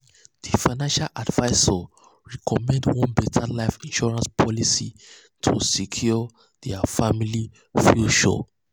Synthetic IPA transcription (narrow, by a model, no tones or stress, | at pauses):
d̥ifaɪnãnʃalʔadvaɪsɔ | ɹɛkʰɔmɛ̃ndwɔ̃nbɛtʰalaɪfĩnʃɔɹãnspʰɔlisḭ | tʰusikʰjuɔ | d̥ɛafamili | fjuʃɔ̰